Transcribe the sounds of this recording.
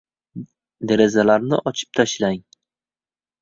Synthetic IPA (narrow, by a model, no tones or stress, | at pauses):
d̪eɾezalaɾnɪ̰ʔɒt͡ʃʰɪ̥p̚t̪ʰaʃlaŋ